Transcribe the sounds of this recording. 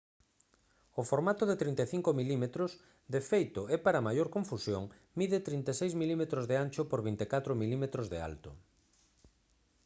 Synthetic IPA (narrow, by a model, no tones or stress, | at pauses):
ofoɾmat̪ʊðet̪ɾint̪eθiŋkomilimet̪ɾʊs | d̪efejt̪ʊɛpaɾamajoɾkoɱfusjoŋ | miðet̪ɾint̪esejzmilimet̪ɾozðeanʲt͡ʃʊpoɾβint̪ekat̪ɾʊmilimet̪ɾozðea̰lt̪ʊ